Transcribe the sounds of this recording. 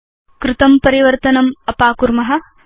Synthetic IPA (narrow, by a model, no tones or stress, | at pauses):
kɾɪt̪ɐmpɐɾiʋɐɾt̪ɐnɐmɐpaːkuɾmɐɦɐ̆